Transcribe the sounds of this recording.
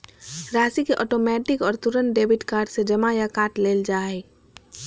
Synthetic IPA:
ɾaːsikeʔɔ̰ːʈoːmɛːʈɪkɔːɾt̪ʊɾənɖeːbɪʈkaːɾɖsed͡ʒɐmajakaːʈleːld͡ʒaːe

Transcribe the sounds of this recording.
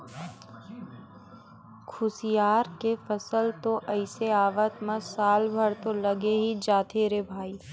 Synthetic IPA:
kʰʊsijaːɾkefəsəlt̪oʔɐɪseaːʋət̪məsaːlbʱəɾt̪olɐɡeɦid͡ʒaːt̪ʰeːɾebʱaːiː

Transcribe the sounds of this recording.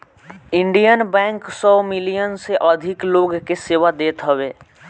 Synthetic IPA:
ɪ̃ɳɖijənbɛ̃ːŋksɔːmɪlijənseʔəd̪ʱɪkloːɡkeseːʋad̪eːt̪ɦəweː

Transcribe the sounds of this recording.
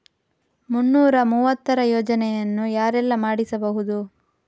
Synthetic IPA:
munːuːɾɐmuːʋɐt̪ːɐɾɐjoːd͡ʒɐnɛjɐnːujaːɾɛlːɐmaːɽisɐbɐɦud̪u

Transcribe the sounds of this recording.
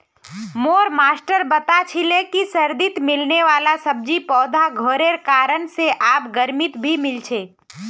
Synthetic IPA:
moːɾmaːsʈəɾbət̪at͡ʃʰilekisəɾd̪ɪt̪mɪlneʋaːlasəb̚d͡ʒipɔːd̪ʱaɡʱoːɾeɾkaːɾənseʔaːp̚ɡəɾmɪt̪bʱimɪlt͡ʃʰeː

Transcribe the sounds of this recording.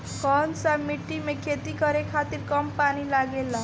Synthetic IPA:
kɔnsamiʈːimekʰet̪ikəɾekʰat̪iːɾkəmpaɽ̃ilaɡela

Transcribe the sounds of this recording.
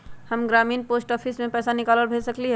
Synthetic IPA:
həmɡɾaːmiːnposʈɔpʰismẽpɛːsanɪkaːləɾbʱesəkliɦɛ

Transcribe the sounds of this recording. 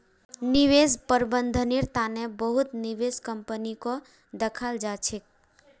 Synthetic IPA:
niʋespəɾbənd̪ʱəniɾt̪anebəɦut̪niʋeskəmpəniko | d̪əkʰald͡ʒat͡ʃʰik̚

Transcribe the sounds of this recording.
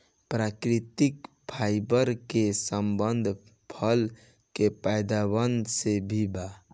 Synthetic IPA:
pɾakɾit̪ik | pʰaɪbəɾkesəmbənd̪ʱ | pʰəl | kepajd̪abənd̪ʱsebʱiba

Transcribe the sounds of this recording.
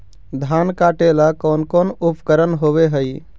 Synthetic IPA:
d̪ʱaːnkaʈelakɔːnkɔːnupkəɾənɦoʋeɦəj

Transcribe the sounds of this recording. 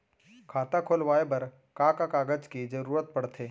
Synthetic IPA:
kʰaːt̪akʰoːlʋaːebɐɾ | kakakaːɡəd͡ʒkid͡ʒɐɾuːɾət̪̚pɐɽt̪ʰeː

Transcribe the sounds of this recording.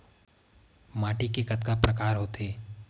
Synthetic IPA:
maːʈikekɐt̪kapɾɐkaːɾɦoːt̪eː

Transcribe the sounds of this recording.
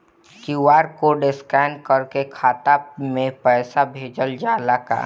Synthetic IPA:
ʃuʋaːɾkoɖɪskɛːnkəɾkekʰaːt̪amẽpɛːsabʱeːd͡ʒəld͡ʒaːlaka̰ː

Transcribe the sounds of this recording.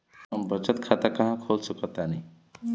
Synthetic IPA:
əmbət͡ʃət̪kʰat̪akaɦãkʰolsəkət̪ani

